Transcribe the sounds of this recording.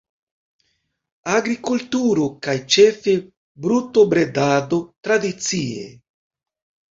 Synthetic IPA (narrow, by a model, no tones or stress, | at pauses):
aɡɾikultuɾokajt͡ʃe̞fe̞ | bɾutobɾe̞dado̞t̪ɾad̪it͡siḛ